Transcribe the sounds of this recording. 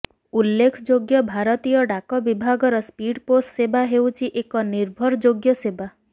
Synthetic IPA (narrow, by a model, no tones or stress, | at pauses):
ulːekʰɔd͡ʒoɡjɔbʱaɾɔt̪ijɔɖakɔbibʱaɡɔɾɔspiɽpossebaɦewt͡ʃʰiʔekɔniɾbʱɔɾɔd͡ʒoɡjɔseba